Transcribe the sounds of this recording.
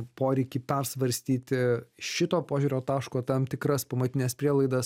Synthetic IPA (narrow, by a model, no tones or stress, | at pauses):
poːɾʲɛɪkʲiːpʲɛrsʋɐɾʲsʲt̪ʲiːt̪ʲɪʃʲɪt̪oːpoːʒʲuːɾʲoːt̪ɑːʃkoːt̪ɐmt̪ʲɪkɾɐspɐmɐt̪ʲɪnʲɛspʲɾʲiɛlˠɐɪd̪ɐs